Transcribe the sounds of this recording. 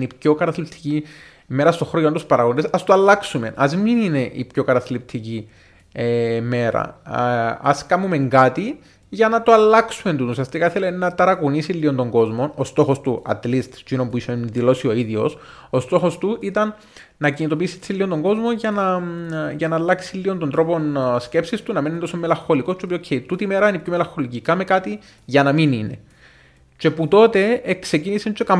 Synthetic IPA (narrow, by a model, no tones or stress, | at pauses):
nipço̞kɐt̪ɐθlip̚t̪ʰi̥ci | me̞ɾɐst̪oxɾojɐnt̪uspɐɾɐɣond̪esɐst̪oɐlːɐksume̞nʔɐzminine̞ʔḭpço̞kɐt̪ɐθlip̚t̪ʰici | eme̞ɾɐ̰ | ɐ̰skɐmume̞ŋɡat̪i | ʝɐnɐt̪oɐlːɐksume̞nt̪unusiɐst̪ikɐθelenɐt̪ɐɾɐkunisilːiond̪o̞ŋɡo̞zmo̞no̞st̪o̞xo̞st̪uɐ̰t̪list̪t͡ʃuinombuiseðilo̞sio̞iðjo̞̰s | ost̪o̞xo̞st̪uʔit̪ɐnː | ɐcinit̪o̞piːsit̪silːiont̪o̞ŋɡo̞zmo̞nʝɐnɐʝɐnɐːlːɐksilːio̞nt̪ond̪ɾo̞po̞nsce̞psist̪unɐmenent̪osomːelɐxo̞likost͡ʃeopiocʰːeit̪ut̪ime̞ɾɐinipçomelɐŋxo̞licikɐme̞kat̪i | ʝɐnɐminine̞̰ | t͡ʃe̞put̪o̞t̪e̞ekse̞cinisint͡ʃekɐm